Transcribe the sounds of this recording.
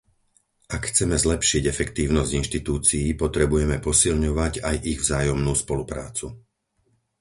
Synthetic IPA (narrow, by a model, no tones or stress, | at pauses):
ʔakxt͡sɛmɛzlɛpʃiɟɛfɛkt̪iːʊnɔzɟinʃt̪it̪uːt͡sijipɔt̪ɾɛbujɛmɛpɔsilɲɔʋaɟajʔiɣvzaːjɔmnuːspɔlupɾa̰ːt͡su